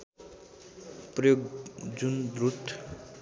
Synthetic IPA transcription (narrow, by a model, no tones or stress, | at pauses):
prʌjoɡd͡zund̪rut̪ʰ